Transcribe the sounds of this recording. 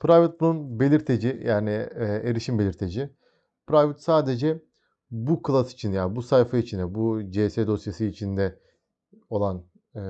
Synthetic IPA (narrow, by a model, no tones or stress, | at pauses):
pʰɾajvut̪̚bununbe̞lʲiɾt̪ʰe̞d͡ʒijaːnieɾiʃimbe̞lʲiɾt̪ʰe̞d͡ʒi | pɾajvut̪saːd̪e̞d͡ʒɛ | bukʰɯlˠasi̥t͡ʃʰinjaːnbusajfait͡ʃʰind̪ɛbud͡ʒesed̪o̞sjasɯːt͡ʃʰind̪ɛ | o̞lˠan